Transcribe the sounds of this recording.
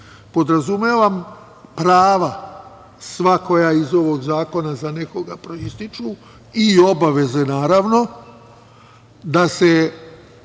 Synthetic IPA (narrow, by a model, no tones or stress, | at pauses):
po̞d̪ɾazumeʋam | pɾaːʋa | sʋako̞jaizo̞ʋo̞ɡzaːko̞nazane̞ko̞ɡapɾo̞ist̪it͡ʃu | io̞baʋe̞ze̞naːɾaʋno̞ | d̪ase